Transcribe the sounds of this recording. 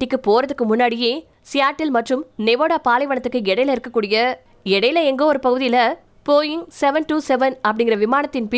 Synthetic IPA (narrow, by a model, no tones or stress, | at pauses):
ɪkːɯpoːɾɐðɯkːɯmʊnːaːɽɪjeː | sɪjaːʈːɪlmɐʈrɯmnɛʋoːɽaːpaːlɐɪʋɐɳɐt̪ːɯkːɯɛɽɐjɪlɪɾɯkːɐkːuːɽɪjɐ | ɛɽɐjɪlɐɛŋɡoːɔɾɯpɐɣɯðɪjɪlɐ | poːjɪŋsɛʋɐnʈuːsɛʋɐnɐpːɐɽɪŋɡɪrɐʋɪmaːnɐt̪ːɪnpɪ